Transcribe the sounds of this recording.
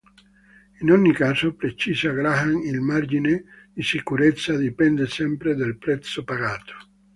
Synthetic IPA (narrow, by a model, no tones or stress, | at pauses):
inonːikasopɾet͡ʃisaɡɾaɦaŋilmaɾd͡ʒinedisikuɾet̪sad̪ipɛnd̪esɛmpɾed̪elpɾɛt̪sopaɣaːt̪o̥